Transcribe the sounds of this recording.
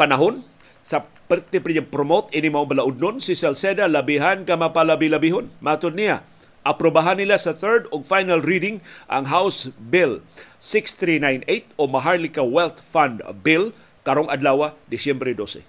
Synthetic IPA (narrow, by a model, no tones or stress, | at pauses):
panaɦʊn | sapɛɾt̪ɛpɾɪɲapɾomot̪ʔinɪmaʔobalaʔʊd̪̚nʊnsɪsɛlsed̪alabiɦankamapalabɪlabiɦonmaʔat̪ʊd̪̚nija | ʔapɾobaɦanːɪlasaθɛɹd̪ʊɡfajnalɾidɪŋʔa̰ŋɦawsbɪlsɪkst̪ɾinajnejt̪̚omaɦaɹlɪkawɛlt̪fand̪bɪl | kaɾoŋad̪lawad̪ɪsjɛmbɾɛd̪osɛ̰